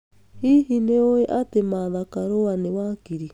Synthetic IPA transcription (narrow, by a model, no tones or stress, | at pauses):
hiɦineoeʔatemaðakaɾowanewakiɾi